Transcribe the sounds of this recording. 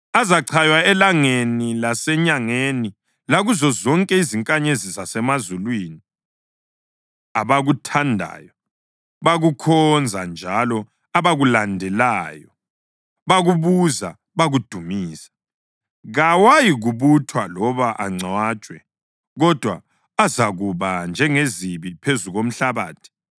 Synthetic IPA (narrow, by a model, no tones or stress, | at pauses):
azaǀʰajwaɛlaŋenilasɛɲaŋeni | laɣuzɔzɔŋkʼɛiziŋkʼaɲezizasɛmazulwiːni | aβaɣutʰandʱa̰ːjɔ | βaɣukʰɔnd͡zʱand͡ʒʱalɔ | aβaɣulandʱɛlaːjɔ | βaɣuβuza | βaɣud̥ʱumiːsḁ | ɣawajiɣuβutʰwalɔβaʔaŋ͡ǀaːt͡ʃʼwɛ | ɣɔd̥ʱwa | azaɣuβand͡ʒʱɛŋeziβipʰezuɣom̩ɬaβa̰ːtʰi̥